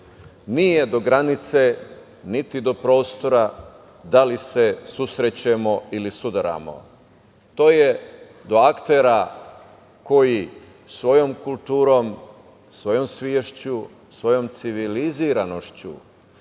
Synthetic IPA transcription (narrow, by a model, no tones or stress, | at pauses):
nije̞d̪o̞ɡɾanit̪se̞ | nit̪id̪o̞pɾo̞ːst̪o̞ɾa | d̪alise̞susɾet͡ɕemo̞ilisud̪aɾa̰mo̞̰ | t̪o̞ːje̞ | d̪o̞akt̪eɾa | ko̞ji | sʋo̞jo̞mkulˠt̪uːɾo̞ːm | sʋo̞jo̞msʋjeʃt͡ɕu | sʋo̞jo̞mt̪siʋiliziɾano̞ʃt͡ɕṵ